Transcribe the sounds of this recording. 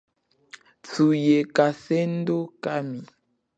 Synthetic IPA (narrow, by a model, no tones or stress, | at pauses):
tujekasen̩dokami